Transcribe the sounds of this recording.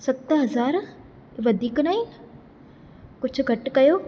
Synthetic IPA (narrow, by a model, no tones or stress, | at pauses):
sɐt̪ːɦɐzaːɾ | ʋəd̪iːknaːi | kʊt͡ʃʰɡʱɐʈkɐjoː